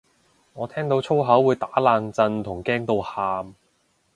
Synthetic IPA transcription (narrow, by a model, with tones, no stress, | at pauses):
ŋɔː˨˧t̪ʰɛː˥ŋt̪o˨˧wt͡sʰo˥wɦɐ˨˥wːuː˨˧jt̪aː˨˥laː˧ŋt͡sɐ˧nt̪ʰʊ˨˩ŋkɛː˥ŋt̪o˧whaː˧m